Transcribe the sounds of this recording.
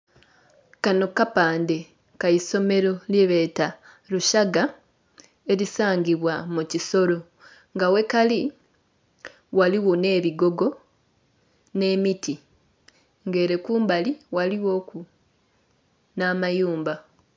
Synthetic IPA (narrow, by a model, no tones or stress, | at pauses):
kano̞kapaːnde̞ | kaiso̞me̞ɾo̞ljiβe̞ːta | luʃaɡa | e̞lisaːɲɟiβwamuciso̞ɾo̞ | ŋɡawe̞kali | waliwone̞ːβiɡo̞ɡo̞ | ne̞ːmiti | ŋɡe̞ːɾe̞kuːmbaliwaliwo̞ːku | naːmajuːmba